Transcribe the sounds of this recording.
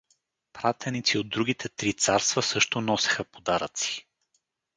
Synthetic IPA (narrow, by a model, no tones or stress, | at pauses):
pɾat̪ɛnit̪siod̪ːɾuɡʲit̪ʰɛt̪ɾit̪saɾst̪vəsɤʃt̪onɔsɛ̥xəpod̪aɾət̪si̥